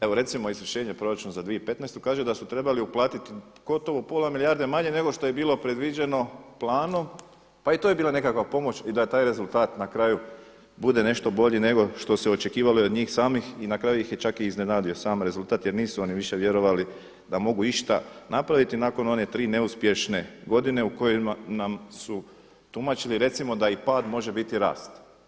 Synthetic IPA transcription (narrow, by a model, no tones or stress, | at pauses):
e̞ʋo̞ɾe̞t̪simo̞izɾiʃe̞ːɲe̞pɾo̞ɾat͡ʃunozad̪ʋiepe̞t̪nɛjst̪ukaːʒed̪asut̪ɾe̞baliuplˠaːt̪it̪ | ɡ̥o̞t̪o̞ʋopolˠamilijaːɾd̪emaɲe̞ne̞ɡo̞ʃt̪o̞je̞biːlˠo̞pɾe̞d̪ʋid͡ʑe̞no̞plˠaːno̞m | pait̪oːje̞biːlˠane̞kakʋapo̞mo̞t͡ɕid̪at̪aːjɾe̞zulˠt̪aːt̪nakɾaju | bud̪e̞ne̞ʃt̪o̞bo̞ʎine̞ɡo̞ʃt̪o̞seo̞t͡ʃe̞kiːʋaloeod̪ɲiːxsaːmixinakɾaːjuixjet͡ʃakiizne̞naːd̪io̞saːmɾe̞zulˠt̪aːt̪je̞ɾniːsuo̞niʋiʃe̞ʋje̞ɾo̞ʋali | d̪amo̞ɡuiʃt̪anapɾaʋit̪inaːko̞no̞ne̞t̪ɾiːne̞uspje̞ʃne̞ɡo̞d̪ine̞uko̞jimanamsu | t̪umat͡ʃiliɾe̞t̪simo̞d̪aipaːd̪mo̞ʒe̞bit̪iɾa̰ːst̪